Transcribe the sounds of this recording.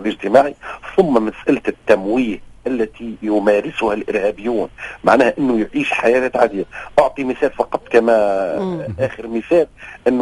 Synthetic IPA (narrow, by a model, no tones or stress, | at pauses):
lʔɪʒt̪ɪmaːʕiθʊmːæmæsʔælt̪ɪt̪ːæmwiːhʔælːæt̪ijʊmæɾɪsʊhælʔɪɾhæːbɪjːuːnma̰ʕnæːhæʔɪnːʊjʕiːʃħajæːlæt̪ʕad̪iːʔʊʕt̪ˤimɪθæːlfɑqɑt̪ˤːkæmæ | ʔæːxəɾmɪθæːlʔɪnː